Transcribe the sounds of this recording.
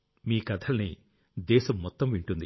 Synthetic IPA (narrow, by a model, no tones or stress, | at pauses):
miːkɐd̪ʰɐlɐniː | d̪ɛːʃɐmːɔt̪ːɐmʋiɳʈund̪i